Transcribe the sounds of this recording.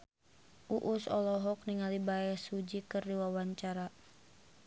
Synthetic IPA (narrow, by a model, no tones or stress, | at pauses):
ʔuʔusɔlɔɦɔkniŋalibajasud͡ʒikɨrdiwawaɲt͡ʃaɾa